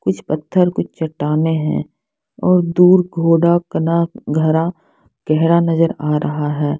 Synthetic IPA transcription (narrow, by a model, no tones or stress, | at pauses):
kʊt͡ʃʰpɐt̪ʰːəɾkʊt͡ʃʰt͡ʃɐʈːaːneɦɛ̰̃ː | ɔːɾd̪uːɾɡʱoːɽakɐnaɡʱɐɾa | ɡ̥ɛɦɾanɐzəɾaːɾʔɐɦaɦɛː